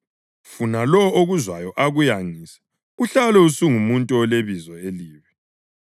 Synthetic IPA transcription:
funalɔoɣuzwajɔʔaɣujaŋisɛ̥ | ɣuɬalɛusuŋumuntʼɔɔleβizɔeliːβɛ

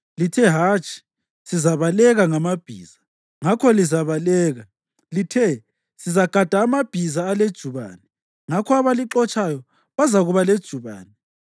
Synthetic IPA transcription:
litʰɛɦaːt͡ʃʼi̥ | sizaβalɛɣaŋamab̥ʱḭːz̥a | ŋakʰɔlizaβalɛːɣa | litʰɛ | sizaɡ̥ʱad̥ʱaːmab̥ʱizaːled̥ʒ̥ʱuβa̰ːnɛ | ŋakʰɔaβaliǁɔt͡ʃʼajɔ | βazaɣuβaled̥ʒ̥ʱuβa̰ːnɛ

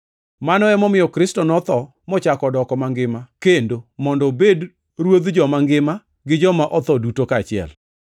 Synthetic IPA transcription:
manɔɛmɔmɪjɔkɾɪstɔnɔt̪ɔ | mɔt͡ʃakɔdɔkɔmaŋɡɪmakendomɔndɔbed | ɾwod̪d͡ʒɔmaŋɡɪma | ɡɪd͡ʒɔmaʔɔt̪ɔdutokat͡ʃɪɛ̰l

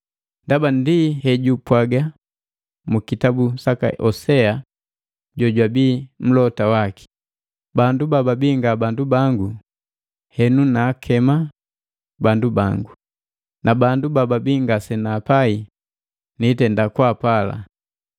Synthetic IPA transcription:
ndabandihɛɟupwaɡa | mukitabusaka̰ʔɔsɛa | ɟɔɟwabiːm̩lɔtawaki̥ | bandubababiŋɡabandubaŋɡu | hɛnunaːkʰɛma | bandubaŋɡu | nabandubababiŋɡasɛnaːpai | nitɛndakwaːpala̰

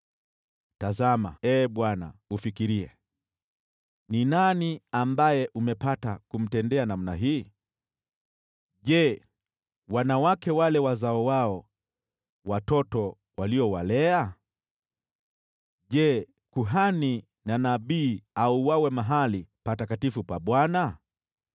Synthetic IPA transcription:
tazama̰ɛːɓwana̰ufikiɾiɛ̰ | ninaniambajɛʔumɛpatakum̩tɛndɛanam̩naɦiː | ʄɛ | wanawakɛwalɛwazaɔwaɔ | watɔtɔ | waliɔwalɛa | ʄɛ | kuɦani | nanaɓiːauwawɛmaɦalipatakatifupaɓwana

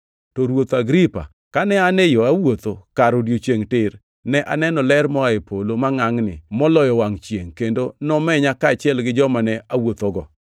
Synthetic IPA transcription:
tɔɾwot̪aɡɾipa̰ | kanɛanɛjoawot̪okaɾodjot͡ʃjeŋtɪr | nɛʔa̰nɛnɔlɛɾmɔaɪpʰolomaŋaŋnɪ̰mɔlɔjɔwaŋt͡ʃjeŋkendonɔmɛɲakaːt͡ʃɛlɡɪd͡ʒɔmanɛʔawot̪oɡɔ

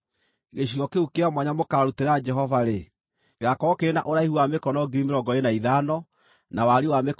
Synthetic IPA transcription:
iɣeɕ̬iɣɔkeukeamwaɲamokaɾuteɾad͡ʒɛɦɔvaɾe | eɣakɔkeenaʔoɾaihuwamekɔnɔɡiɾimeɾɔɡɔenaiðanɔ | nawaɾiwamek

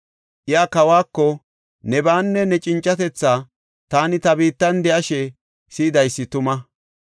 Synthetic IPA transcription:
ʔɪjaːkɐwaːkːɔ | nɛbaːnːɛnɛt͡ʃʼɪnt͡ʃʼːɐt̪ɛt͡sːa | t̪aːnɪt̪ɐbiːt̪ːɐnd̪ɛʔɐʃɛ | siːd̪ɐjsːɪt̪ʊmɐ

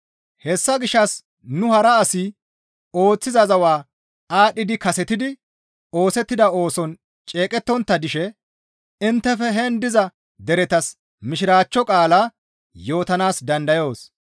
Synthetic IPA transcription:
hɛsːɐɡɪʃːɐs | nʊhɐɾɐːsi | o̞ːt͡sːɪzɐzɐwaː | aːɗɪd̪ɪkɐsɛt̪ɪd̪ɪ | o̞ːsɛt̪ːɪd̪ɐo̞ːsɔn | t͡ʃʼe̞ːkʼɛt̪ːɔnt̪ːɐd̪ɪʃɛ | ɪnt̪ːɛfɛɦɛnd̪ɪzɐ | d̪ɛɾɛt̪ɐs | mɪʃɪɾaːt͡ʃːɔkʼaːlaː | jo̞ːt̪ɐnaːsd̪ɐnd̪ɐjo̞ːs

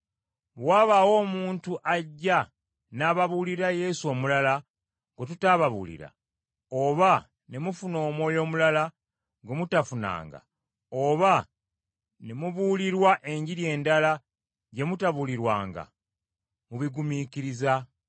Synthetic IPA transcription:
waːβaːwo̞ːmuːntuʔaɟːa | naːβaβuliɾaje̞suo̞ːmulala | ŋɡotutaːβaβṵlḭɾa̰ | oβa | ne̞mufuno̞ːmwo̞ːjo̞ːmulala | ŋɡomutafuna̰ːŋɡa̰ | oβa | ne̞muβuliɾwaʔe̞ɲɟiɾje̞ːndala | ɟe̞mutaβuliɾwa̰ːŋɡa̰ | muβiɡumiːkiɾiza

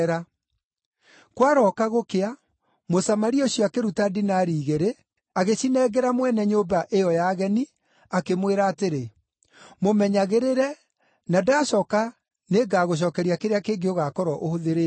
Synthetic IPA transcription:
ɾa | kwaɾɔkaɣokea | mosamaɾioɕjɔakeɾutadinaːɾiːɣeɾe | aɣeɕinɛːɡɛɾamwɛnɛɲoːbaʔejɔjaɣɛni | akemweɾaːteɾe | momɛɲaɣeɾeɾɛ | nadaːɕɔka | neːɡaːɣoɕ̬ɔːkɛɾiakeɾeakeːɡeoɣakɔɾɔʔohoðeɾe

